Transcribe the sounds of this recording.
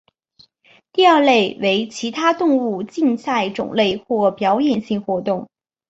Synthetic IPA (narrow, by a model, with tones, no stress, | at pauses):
t̪i˥˧ɐ˞˥˧le˥˩ɪwe˧˥ɪt͡ɕʰi˧˥t̪ʰa˥t̪ʊ˥˧ŋu˥˧t͡ɕi˥˧nsa˥˩ɪʈ͡ʂʊ̰˨˩ŋle˥˩ɪxwɔ˥˩pjɑ˧˥ʊjɛ˨˩nɕi˥˩ŋxwɔ˧˥t̪ʊ˥˩ŋ